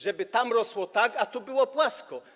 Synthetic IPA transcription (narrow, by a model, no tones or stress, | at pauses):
ʐɛbɘt̪amɾɔswɔt̪akat̪ubɘwɔpwaskɔ